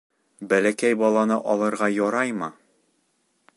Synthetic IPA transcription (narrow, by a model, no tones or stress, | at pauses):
bælækæjbɒlˠɑnɤʔɒlˠɤ̆ɾʁɑjɒɾɑjmɤ